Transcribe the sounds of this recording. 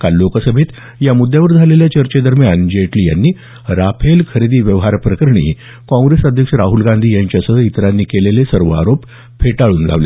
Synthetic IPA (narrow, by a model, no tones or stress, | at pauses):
kalːokəsəbʱit̪ | jamud̪ːjaʋəɾd͡zʱaleljat͡ɕəɾt͡ɕed̪əɾmjand͡ʑeʈliːja̰nːiː | ɾapʰelkʰəɾed̪iːʋjəʋɦaɾpɾəkəɾəɳḭː | kɔ̃ŋɡɾesəd̪ʱjəkʂəɾaɦulɡãnd̪ʱiːjaɲt͡ɕjasəit̪ɾanːiːkelelesəɾʋəa̰ɾop | fʰeʈaɭuːnla̰ʋlḛ